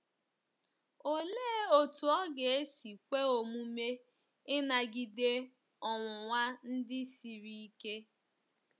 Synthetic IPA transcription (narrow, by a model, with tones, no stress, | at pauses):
o˦leː˦o˨tu˨ɔ˦ɡe˨e˦si˨kʷe˦o˨mu˦me˦ | ɪ˦na˨ɡi˨de˦ | ɔ˨ŋʷʊ˨ŋʷa˦n̩˦dɪ˦si˨ɾi˦i˦ke˦